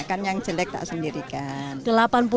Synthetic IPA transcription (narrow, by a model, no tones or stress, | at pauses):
kanjaŋ̥d͡ʒəlɛk̚t̪a̰ʔsəndiɾikand̥əlapanp̬u